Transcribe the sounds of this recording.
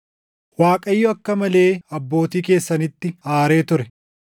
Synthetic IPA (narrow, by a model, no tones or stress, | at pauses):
waːkʼɐjːʊɐkːɐmɐle̞ːɐbːo̞ːt̪iːke̞ːsːɐnɪt̪ːɪaːɾe̞ːt̪ʊɾɛ